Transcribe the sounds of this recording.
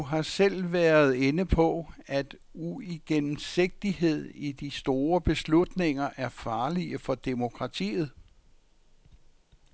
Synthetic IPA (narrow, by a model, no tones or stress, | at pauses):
ɦɑ̈sel̰ʋæːɐð̞ˠenəpʰɒ̽æd̥ | uiɡ̥enm̩se̝ɡ̥̚d̥iɦe̝ð̞̰ˠid̥isd̥o̝ːɐb̥e̝slud̥ne̝ŋ̰ɐʔæɐfɑ̈ːliəfɒ̽d̥emo̝kʰʁɑ̈t͡sʰḭːð̞̩ˠ